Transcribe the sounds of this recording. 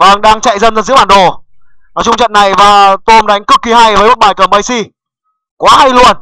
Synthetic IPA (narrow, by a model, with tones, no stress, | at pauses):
və˧˩ŋɗaː˧ŋt͡ɕa̰˧˨jzə˧nzə˧˩nzɨ̰˧˥ɓaː˨˩ɗo˨˩ | naː˨˦jt͡ɕʊ˧ŋ͡mt͡ɕə̰˧˨nːa˨˩jvaː˨˩t̪o˧mɗa˨˦jŋ̟kɨ˦˥kːi˨˦ɦa˧jvəː˨˦jmo˨˦˩t̚ɓaː˨˩jkəː˧˩mə˨˧˩jsi˧ | kwaː˨˦ɦa˧jlu˧ən